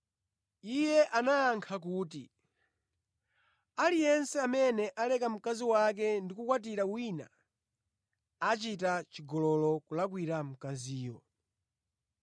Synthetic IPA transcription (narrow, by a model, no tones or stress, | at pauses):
ijɛʔanajaŋkʰakuːt̬i | alijɛnsɛamɛnɛʔalɛkam̩kaziwak̬ɛndikukwat̬iɾawina̰ | at͡ʃitat͡ʃiɡɔlɔlɔkulakwiɾam̩kaziːjɔ